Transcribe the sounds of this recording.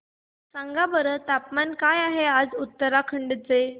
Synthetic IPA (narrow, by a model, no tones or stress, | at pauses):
sãŋɡabəɾət̪apmankajaɦead͡zut̪ːəɾakʰəɳɖt͡se